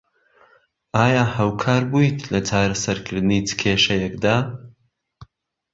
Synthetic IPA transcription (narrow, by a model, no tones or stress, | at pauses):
ʔaːjaːhaːwkʰaːɾbujt̪ʰlɐt͡ʃaːɾɐsɐɾkʰɨɾd̪ɨnit͡sɨ̥kʰeːʃɐjɛkd̪aː